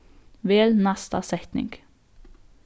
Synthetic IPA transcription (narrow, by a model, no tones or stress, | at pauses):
ʋeːlnɑst̪ɑ̰sɛt̪nɪ̰ŋɡ̥